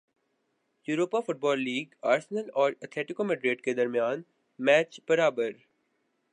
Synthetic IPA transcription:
juːɾoːpafʊʈ̚bɔːlːiːɡaːɾsənəlɔːɾɐt̪ʰleːʈɪkomɛɖɾeːʈked̪ɐɾmijaːn | mɛːt͡ʃbɐɾaːbəɾ

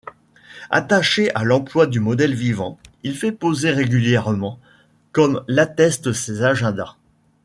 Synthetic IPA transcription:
a̰t̪aʃeʔalɑ̃plwad̪ymɔd̪ɛlvivɑ̃ilfɛpozeʁeɡʲyljɛʁmɑ̃ | kɔmlat̪ɛst̪əsezaʒɛ̃d̪a

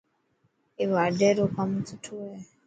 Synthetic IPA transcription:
iβadeɾokamututʰuwe

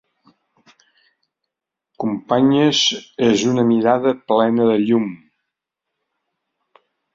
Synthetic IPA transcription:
kumpaɲəzezunəmiɾaðəplɛnəðəʎum

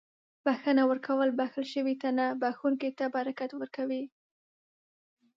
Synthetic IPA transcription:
b̥axənawəɾkʰawəlbaxəlʃəwit̪anabaxuŋket̪abaɾakat̪wəɾkawi

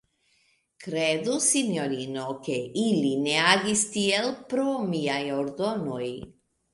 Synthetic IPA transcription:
kɾed̪usinoɾinokeilineaɡist̪ielpɾomiajoɾd̪onoj

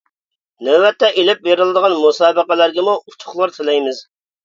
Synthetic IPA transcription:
nɛːɛt̪ʰːɛʔelɪp̚beɾɨlˠɨd̪əʁɑnmusɑːbəqəlæɾɡʲɛmuut̪ʰʊ̥χlˠɑɾt̪ʰɪlɛjmɪz

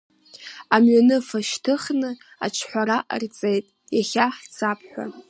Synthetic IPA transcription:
amɥanɨfaʃtʰɨχnɨ | a̰t͡ʃʰħʷaɾaʔə̰rt͡sʼejtʼ | jaχʲaħt͡sʰapʰħʷᶣa̰

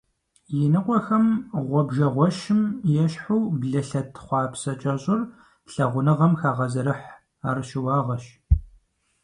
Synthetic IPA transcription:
jɪnɨqʷʼɔxɐmʁʷɔbʒɐʁʷɔʃɪmjɛɕħuwbɮɐɬɐtʰχʷɑːpʰsɐt͡ʃʼɐɕʼɪr | ɬɐʁʷʊnɨʁɐmxaːʁɐzɐɾɨħ | aːrʃɪwɑːʁɐʃ

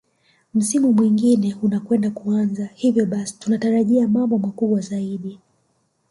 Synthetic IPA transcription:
m̩simumwiŋɡinɛunakwɛndakuanzahivjɔɓasi̥tunataɾaʄiamambɔmakuɓwazaiɗi

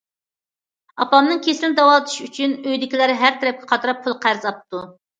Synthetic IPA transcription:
ɑpɑmnɨŋkʲʰeslɪnd̪ɑwɑlˠɨt̪ʰɨ̥ʃyt͡ʃʰynøjd̪ɪkʲilæɾɪɦæɾt̪ʰɛɾɛp̚kʲɛ̥qʰɑt̪ɨɾɑpʰːulˠqʰæɾzɑp̚t̪u

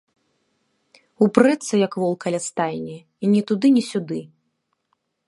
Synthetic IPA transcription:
upɾɛt̪sɨjɐkvɔlˠkɐlʲast̪ajnʲɛ | inʲɛt̪ud̪ɨnʲɛsʲud̪ɨ

